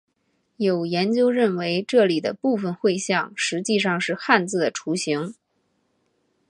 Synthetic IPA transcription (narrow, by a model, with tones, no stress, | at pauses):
jo˨˩ʊjɛ˧˥nt͡ɕjo˥ʊɻə˥˩nwe˧˥ɪʈ͡ʂɤ˥˩li˨˩d̪ə̰˦pu˥˩fə˨˩nxwe˥˧ɪɕjɑ˥˩ŋʂɻ̩˧˥t͡ɕi˥˧ʂɑ˥˧ŋʂɻ̩˥˧xa˥˧nt͡sɹ̩˥˩d̪ə˩ʈ͡ʂʰu˧˥ɕi˧˥ŋ